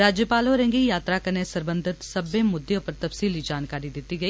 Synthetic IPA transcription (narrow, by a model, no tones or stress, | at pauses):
ɾaːd͡ʒjəpaːloɾɛ̃ŋɡijaːt̪ɾakɐnesɐɾbə̃nd̪ʱɪt̪sɐbẽmʊd̪jõpɐɾt̪ɐfsiːlid͡ʒaːnkaːɾid̪ɪt̪ːiɡɐiː